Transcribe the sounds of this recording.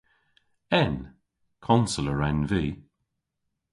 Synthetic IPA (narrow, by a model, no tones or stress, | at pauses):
ɛn | kʰɔnsələɹɛnviː